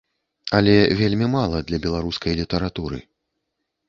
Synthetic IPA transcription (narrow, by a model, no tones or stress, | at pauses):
ɐlʲɛvʲelʲmʲimalˠɐd̪lʲɐbʲɛlˠaɾuskɐjlʲit̪ɐɾat̪uɾɨ̰